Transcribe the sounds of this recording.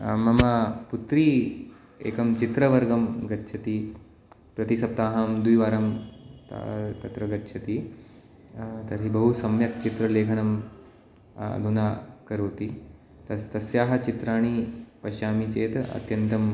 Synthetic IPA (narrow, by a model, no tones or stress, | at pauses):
mɐmaput̪ɾiː | eːkɐmt͡ʃit̪ɾɐʋɐɾɡɐmɡɐtːʃʰɐt̪iː | pɾɐt̪isɐp̚t̪aːɦɐmd̪ujʋaːɾɐmt̪t̪ɐt̪ɾɐɡɐtːʃʰɐt̪iː | t̪ɐɾɦibɐɦusɐmjɐk̚t͡ʃit̪ɾɐleːkʰɐnɐm | d̪ʱunaːkɐɾoːt̪i | t̪ɐst̪ɐsjaːɦɐ̆t͡ʃit̪ɾaːɳ̃ipɐʃaːmit͡ʃeːt̪ɐ̰t̪jɐnt̪ɐm